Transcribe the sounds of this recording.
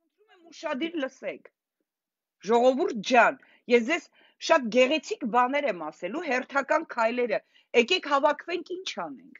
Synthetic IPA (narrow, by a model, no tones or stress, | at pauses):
ənt̪ʰumɛmuʃɑd̪iɾləsɛkʰ | ʒɔʁɔvuɾt̪̚d͡ʒɑn | jɛsd͡zɛz | ʃɑt̪̚ɡɛʁɛt͡sʰikbɑnɛɾɛmɑsɛluɦɛrt̪ʰɑkɑnkʰɑjlɛɾə | ɛkɛkʰhɑvɑkʰvɛŋkʰint͡ʃʰɑnɛ̰ŋkʰ